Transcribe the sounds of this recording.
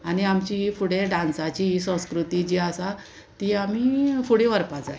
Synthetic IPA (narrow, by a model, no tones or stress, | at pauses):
añiamt͡ɕiɦifuɽeɖãnsat͡ɕiɦisə̃w̃skɾut̪id͡ʑiasa | t̪iːam̤ifuɽẽʋəɾpad͡za̰j